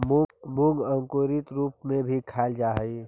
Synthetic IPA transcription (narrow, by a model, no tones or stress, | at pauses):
bʊ̃ŋɡə̃ŋkoːɾɪt̪ɾuːpmẽbʱikʰaːld͡ʒaːɦəi